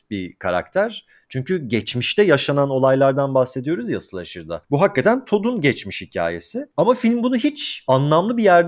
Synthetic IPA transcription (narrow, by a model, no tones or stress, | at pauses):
bikʰaɾa̰k̚t̪ʰæɾ̥ | t͡ʃʰyɲcyɟɛt͡ʃmiʃt̪ɛjaʃanano̞lˠajlˠaɾd̪anbaxse̞d̪ijo̞ɾuzjasɯlˠaʃɯɾd̪a̰buɦakːat̪ʰænt̪ʰo̞d̪unɟɛt͡ʃmiʃhicʰa̰ːje̞̰sɪamafilʲmbunuɦit͡ʃanlˠamlˠɯbijæɾd̪